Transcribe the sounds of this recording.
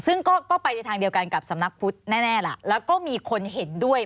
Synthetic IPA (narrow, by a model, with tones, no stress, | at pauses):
sɯ˥˩ŋkɔː˥˩kɔː˥˩pa˧jna˧jt̪ʰaː˧ŋdi˧əwka˧nka˨˩p̚sa˩˦mna˦˥k̚pʰu˦˥t̪̚nɛː˥˩nɛː˥˩la˨˩˦lɛː˦˥wkɔː˥˩miː˧kʰo˧nɦe˩˦ndu˥˩əj